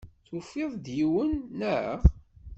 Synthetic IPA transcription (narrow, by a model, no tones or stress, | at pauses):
θufːɪðˤd̪jiwənːəʕə̰ʁ